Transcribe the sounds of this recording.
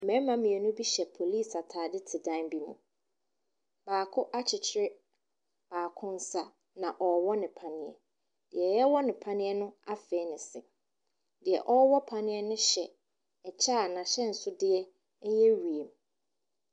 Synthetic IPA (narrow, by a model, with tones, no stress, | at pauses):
mɛ̃˦mã˦mĩ˨ɛ˨nʊ̃˦bi˦ɕɛ˨pʰo˨liː˦˨sa˨tʰaː˨dɪ˦tʰɪ˨dã˦nbi˦mṵ̃˨ | b̥aː˨kʰʊ˦ʔa˦t͡ɕʰɪ˨t͡ɕʰɪ˦ɾɪ˦ | b̥aː˨kʰʊ̃˦n˦sa˦ | nã˨ʔɔ˨wɔ˦nɪ̃˨pʰã˨nɪ̃˨ɛ̰˨ | d̥ɪ˨ɛ˨jɛ˦wɔ˦nɪ̃˨pʰã˦nɪ̃˦ɛ˦nʊ̃˦a˦fɛ˨˦nɪ̃˨sɪ̰˨ | dɪ˨ɛ̰˨ʔɔ˦wɔ˦pʰã˨nɪ̃˦ɛ˦nʊ̃˦ɕɛ˨ | ɛ˨t͡ɕʰa˦˨nã˨ɕɛ˦n̩˨sʊ˦dɪ˦ɛ˦ | ɛ˦jɛ˦ɥu˨e˨m